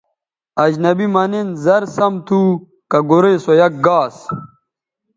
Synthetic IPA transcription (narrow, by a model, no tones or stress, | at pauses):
ɐd͡ʑnɐbimɐnenzɐɾsɐmt̪ʰuː | kɐɡoɾeːsojɐk̚ɡaːs